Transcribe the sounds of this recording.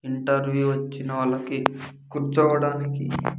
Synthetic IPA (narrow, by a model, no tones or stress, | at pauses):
iɳʈɐɾʋjuːʋɐt͡ʃːinɐʋɐɭːɐkikuɾt͡ʃɔːʋɐɽaːnikḭ